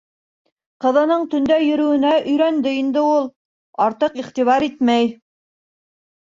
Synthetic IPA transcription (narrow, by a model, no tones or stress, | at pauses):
qɤ̆ðɤ̆nɤɴt̪ɵ̆nd̪æjɵ̆ɾɵ̆wɘ̆næʔɵ̆jɾænd̪ɘind̪ɘulˠ | ɑɾt̪ɤqiχt̪iβɑɾit̪mæj